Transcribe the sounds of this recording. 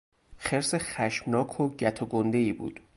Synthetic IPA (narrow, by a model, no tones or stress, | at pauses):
χeɾseχæʃmnɒːkʰoɟæt̪ʰoɡond̪e̞iːbṵːd̪̥